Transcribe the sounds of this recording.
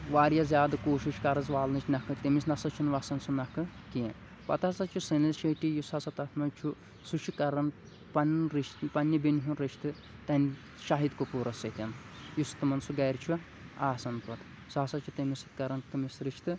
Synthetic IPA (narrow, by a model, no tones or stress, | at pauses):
ʋaːɾjɐzʲjaːd̪ɨkoːʃiʃkɐɾɐzʋaːlnɨt͡ʃʰnɐkʰɨt̪emisnɐsɐt͡ʃʰunʋɐsɐnsunɐkɨkie | pɐ̰t̪ɐsɐt͡ʃʰusɐnɐlʃeʈijusɐsɐt̪ɐt̪ʰmɐnt͡ʃʰu | sut͡ʃʰikɐɾɐn | pɐnɾiʃt̪pɐnʲːibenʲɦunɾeʃt̪ɨ | t̪ɐn | ʃaɦid̪kopuːɾɐset̪ʲɐn | just̪ɨmɐnsuɡɐɾʲt͡ʃʰu | aːsɐnp̪ɐt̪ | sɐsɐt͡ʃʰut̪emisɨt̪kɐɾɐnt̪ɨmisɾit͡ʃʰt̪ɨ